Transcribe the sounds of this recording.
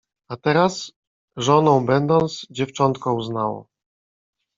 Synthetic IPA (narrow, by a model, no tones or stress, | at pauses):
at̪ɛɾas | ʐɔnɔ̃w̃bɛnd̪ɔnt̪sd͡ʑɛft͡ʂɔnt̪kɔ̃uznawɔ̰